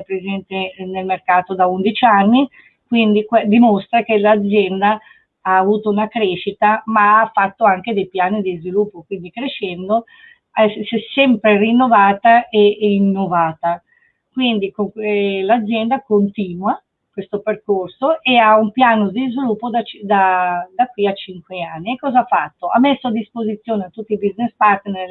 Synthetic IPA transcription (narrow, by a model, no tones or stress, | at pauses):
ɛpɾezɛnt̪enelmerkaːt̪od̪aund̪it͡ʃianːi | kwind̪iked̪imost̪ɾak̟elad̪zːjɛnd̪a | aːvuːt̪ounakɾeːʃit̪amaafːat̪ːoaŋk̟ed̪ejpjaːnid̪izvilupːokwind̪ikɾeʃɛnd̪o | ɛsɛsɛmpɾerinːovaːt̪aʔeinːovaːt̪a | kwind̪ikoŋlad̪zːjɛnd̪akont̪iːnwa | kwest̪operkorsoʔeaumpjaːnod̪izvilupːod̪at͡ʃd̪ad̪akwiat͡ʃiŋkweanːiekːɔːzaafat̪ːoa̰mːesːoad̪ːispozit̪sːjoːneat̪ːut̪ːibiznespart̪ner